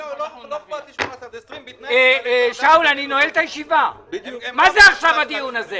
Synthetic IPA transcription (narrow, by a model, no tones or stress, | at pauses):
eʃaulaninoelt̪ajeʃiva | mazeaχʃavad̪ijunaze